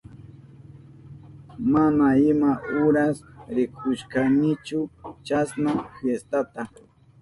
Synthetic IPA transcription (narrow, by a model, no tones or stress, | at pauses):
manaɪmaʊɾasɾɪkʰʊʃkanɪt͡ʃʊt͡ʃasnafjest̪at̪a